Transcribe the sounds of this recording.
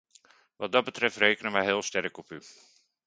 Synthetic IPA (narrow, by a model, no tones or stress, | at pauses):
ʋɑd̚dɑt̚bətrɛftrejkənəmɛjɦɪːlˠstɛrkɔpy